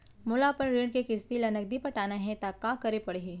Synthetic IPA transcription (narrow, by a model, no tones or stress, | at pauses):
mʊlaːpənɾenkekɪst̪ilɐnək̚d̪ipɐʈaːnaɦɛ̃t̪akãkɐɾepɐɽeɡi